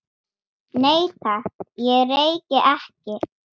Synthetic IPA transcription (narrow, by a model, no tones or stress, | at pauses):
neːjt̪ʰajɛɣreːjcɪʔɛhcɪ